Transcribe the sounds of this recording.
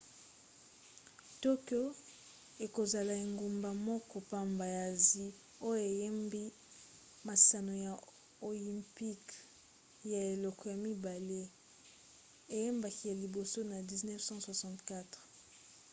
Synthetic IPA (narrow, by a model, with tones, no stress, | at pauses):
to˦kjo˦ | e˨ko˨za˨la˨e˨ŋɡo˨mba˨mɔ˦kɔ˨pa˦mba˨ja˨zi˦ | o˦jo˦e˨je˦mbi˦ | ma˨sa˨no˨ja˨ | o˨li˨mpi˦k | ja˨e˨lɔ˨kɔ˨ja˨mi˦ba˨le˦ | e˨je˦mba˨ki˨˦ja˨li˨bo˨so˦na˨di˨znɛ˦fsɑ̃˦swa˨sɑ̃˨ntka˦tʁ